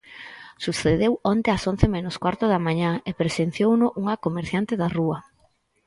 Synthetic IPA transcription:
suθeðewɔnt̪eason̟θemenʊskwaɾt̪ʊðɐmãɲaepɾesen̟θjownʊʔuŋɐkomeɾθjant̪eðaruɐ

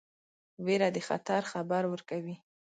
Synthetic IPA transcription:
weɾad̪əxa̰t̪aɾxabaɾwəɾkawi

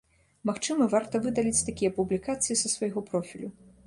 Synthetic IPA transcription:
maxt͡ʂɨmɐvart̪ɐvɨd̪ɐlʲit͡sʲt̪akʲijɛɐpublʲikat̪sɨjisɐsvɐjɣɔpɾɔfʲilʲu

